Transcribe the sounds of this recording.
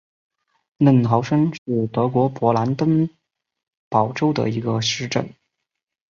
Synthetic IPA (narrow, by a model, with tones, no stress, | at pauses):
nə˥˩nxʰɑ˧˥ʊʂə˥nʂɻ̩˥˩t̪ɤ˧˥kwɔ˧˥pwɔ˧˥la˧˥nt̪ə˥n | pɑ˨˩ʊʈ͡ʂo˥ʊd̪ə̰˨˩i˧˥ɡə˧ʂɻ̩˧˥ʈ͡ʂə̰˥˩n